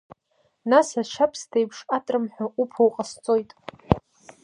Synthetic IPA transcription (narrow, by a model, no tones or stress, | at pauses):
nasaʃapʰstʰejpʰʂatʼrɨmħʷᶣaʔupʰowqʼast͡sʼo̞jtʼ